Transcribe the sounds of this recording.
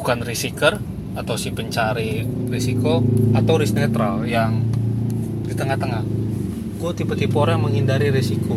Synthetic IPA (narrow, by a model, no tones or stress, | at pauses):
ukanrisikər | at̪awsipəɲt͡ʃaɾiresikoat̪awɾisnet̪ɾaljaŋ | dit̪əŋaht̪əŋah | kut̪ipət̪ipoɾaməŋɦindaɾiɾesikʰo